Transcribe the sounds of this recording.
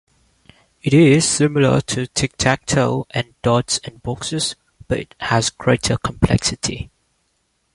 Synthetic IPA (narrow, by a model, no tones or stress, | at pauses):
ɪɾɪz̥sɪmɪlə̰tʰutʰɪk̚tʰak̚tʰəʊʔæ̃ndɔdsɛ̃nbɔksəz | b̥ʌtɪ̰t̚hæzɡ̥ɹeɪtʰəkʰə̃mpʰlɛ̰ksɪtʰḭ